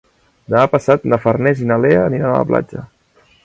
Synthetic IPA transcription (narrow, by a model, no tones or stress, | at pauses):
d̪əmapəsat̪̚nəfərnɛzinaleəːniɾanə̰lə̰pla̰d͡ʒə